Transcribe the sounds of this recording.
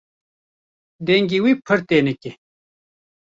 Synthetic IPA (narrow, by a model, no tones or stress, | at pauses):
nd̪eŋɡiwipʰərt̪enəkːe